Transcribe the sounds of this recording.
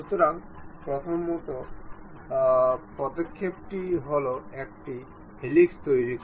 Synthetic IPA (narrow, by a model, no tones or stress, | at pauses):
ut̪oɾaŋpɾot̪ʰomːot̪o | pɔd̪okʰːep̚ʈiɦoloek̚ʈi | hilikst̪ojɾikʰ